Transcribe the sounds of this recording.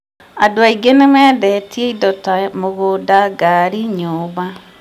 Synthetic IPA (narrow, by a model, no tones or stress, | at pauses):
adoaiɡenemɛːðɛtieidɔtamoɣodaɡaɾiɲoːβa